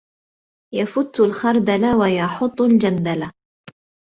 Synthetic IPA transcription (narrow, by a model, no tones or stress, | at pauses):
jafʊt̪ːʊlxɑɾˤd̪alawajɑħʊt̪ˤːald͡ʒand̪ala